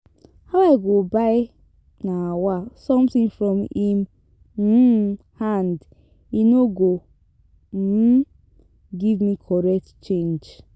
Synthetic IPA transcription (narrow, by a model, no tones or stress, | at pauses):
hawaɪɡobaɪ | nawasɔ̃mtĩŋfɾɔ̃mhim̩ | hand | inoɡo | m̩ | ɡivmikʰɔɾɛk̚tt͡ʃẽnd͡ʒ